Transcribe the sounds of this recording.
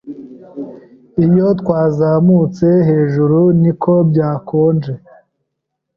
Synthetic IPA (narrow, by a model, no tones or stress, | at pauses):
ijo̞t̪waːzamuːt͡se̞ɦe̞ːʒuɾunikʰo̞bɟaːkʰoːnd͡ʒe